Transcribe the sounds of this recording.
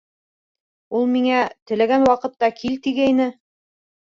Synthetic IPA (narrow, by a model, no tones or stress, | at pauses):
ulˠmiŋæt̪ɘ̆læɡænwɑqɤ̆t̪ːɑkʰilt̪iɡæjnɘ